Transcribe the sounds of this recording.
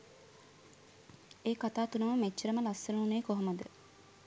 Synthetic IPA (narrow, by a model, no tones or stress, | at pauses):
eːkat̪aːt̪unəməmet͡ʃːəɾəməlasːənəuneːkoɦoməd̪ə